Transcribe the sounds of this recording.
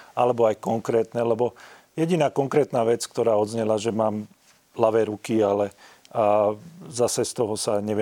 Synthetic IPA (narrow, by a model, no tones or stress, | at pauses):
alɛbɔajkɔŋkɾɛːt̪nɛlɛbɔjɛɟinaːkɔŋkɾɛːt̪naːʋɛt͡skt̪ɔɾaːɔd̪zɲɛlaʒɛmaːm | laʋɛːɾukialɛ | zasɛst̪ɔɦɔsaɲɛʋɛ